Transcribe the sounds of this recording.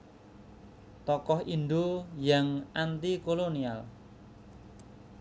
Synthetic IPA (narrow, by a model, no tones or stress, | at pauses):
t̪ɔkɔhʔinɖ̪ojaŋʔant̪ikolonial